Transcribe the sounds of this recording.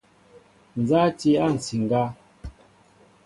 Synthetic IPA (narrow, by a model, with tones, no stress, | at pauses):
n̩˨za˦ti˦a˦˨n̩˨si˨ŋ˨ɡa˦